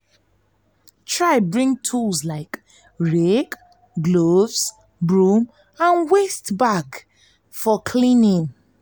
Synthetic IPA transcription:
tʰɹaɪbɹĩŋtʰulzlaɪk | ɹek | ɡlovz̥ | bɹũm | ãnwestbak | fɔkʰlĩnĩŋ

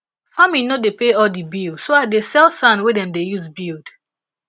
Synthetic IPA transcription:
faminodepeɔldibilsoadesɛlˠsãnwedɛ̃mdejuzbilˠd̥

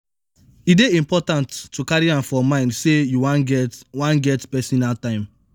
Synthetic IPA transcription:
ideĩmpɔtãntːukaɹiãmfɔmãɪ̃ndsejuwãnɡɛwãnɡɛtpɛsɔnaltãɪ̃m

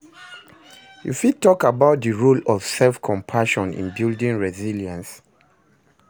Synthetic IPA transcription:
jṵfid̚tɔkabaʊt̚ðəɹulɔv̥sɛlfkʰɔ̃mpʰaʃɔ̃nḭ̃nbildĩŋɹɛziljãns

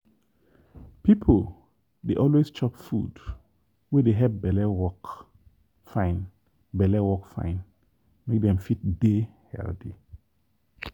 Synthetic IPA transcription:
pipʰəl | deʔɔlwest͡ʃɔpfṵd | wedeɦɛvbɛlɛwɔk | fãɪ̃n | bɛlɛwɔkfã̰ɪ̃n | mek̚dɛ̃mfit̚dehɛ̰ldi

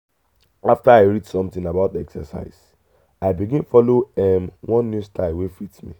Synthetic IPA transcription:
aftaaɪɹidsɔ̃mtĩnabaʊtɛksə̰sa̰ɪs | aɪbiɡĩnfɔloɛmwʔɔ̃nːjustʰalwefitmḭ

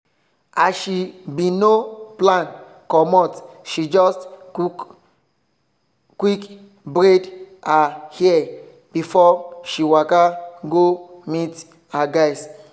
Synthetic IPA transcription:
aʃibinoplãn | kɔmɔtʃid͡ʒɔst | kːwik | bɾedahiɛ | b̥ifɔʃiwakaɡomit | haɡaɪs

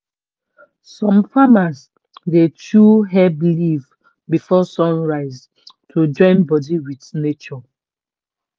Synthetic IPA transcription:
sɔ̃mfamas | detʰuɦɛbliv | bifɔsɔ̃nɹaɪz | tʰod͡ʒɔ̃ɪ̃nbɔdiwitnet͡ʃɔ

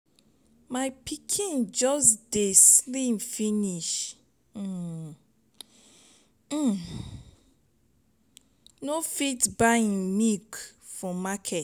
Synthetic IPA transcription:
maɪpʰikʰĩnd͡ʒɔsdeslĩmfiniʃ̩ | nofitbaĩnmikfɔmakʰɛt

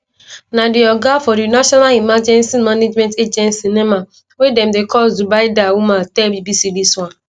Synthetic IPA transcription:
nadiɔɡafɔɾinaʃɔnalimad͡ʒɛ̃nsimaned͡ʒmɛ̃nted͡ʒɛ̃ntsinɛma | wedɛmdekʰɔlzubaɪdawumatɛbibisidiswãn

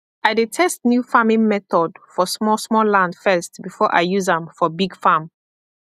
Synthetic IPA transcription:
aɪdetʰɛstnjufamĩŋmɛθɔdfɔsmɔsmɔlãndfɜstbifɔʔa̰ɪjuzãmfɔbiɡfam

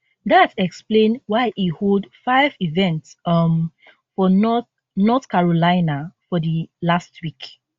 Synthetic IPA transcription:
datɛksplẽnwaɪʔiholdfaɪvivɛ̃ntsʌm | fɔnɔ | nɔθkaɹolaɪnafɔdəlastʰwik

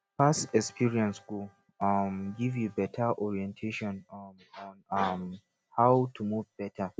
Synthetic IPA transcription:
fastɛkspʰiɹiɛ̃nsɡ̥u | ʌmɡivjubɛtʰaʔɔɹiɛ̃ntʰeʃɔ̃n | ɔ̃nm | hawtʰumuvbɛtʰa

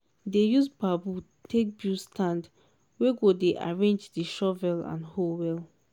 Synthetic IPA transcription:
dejusbabu | tʰek̚bjustʰãnd | weɡodeʔa̰ɹẽnd͡ʒdiʃɔvɛlã̰nholwɛl

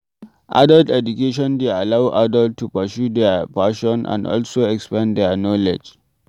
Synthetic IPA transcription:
ʔa̰daltɛd͡ʒukeʃ̬ɔ̃ndealawʔadaltʰːupasjud̪ɛpaʃɔ̃nʔã̰ndɔ̰lsoɛkspãndɛnɔlɛ̰d͡ʒ

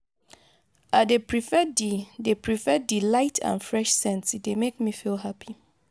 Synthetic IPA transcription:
adepʰɹifɛdidepʰɹifɛdilaɪtʰã̰nfɹɛʃsɛ̃nsidemekmifilɦapʰi

